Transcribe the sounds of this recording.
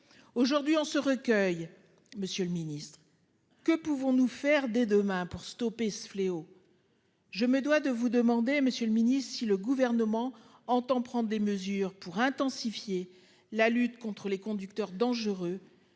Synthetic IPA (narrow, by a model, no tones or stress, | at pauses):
oʒuʁd̪ɥiɔ̃səʁəkʲœj | məsjələminist̪χ | kəpuvɔ̃nufɛʁd̪ɛd̪əmɛ̃puʁst̪ɔpesə̥fleo | ʒəməd̪wad̪əvud̪əmɑ̃d̪eməsjələminist̪siləɡuvɛʁnəmɑ̃ | ɑ̃t̪ɑ̃pχɑ̃d̪ʁd̪eməzyʁpuʁɛ̃t̪ɑ̃sifje | lalyt̪kɔ̃t̪χəlekɔ̃d̪yk̚t̪œʁd̪ɑ̃ʒəʁø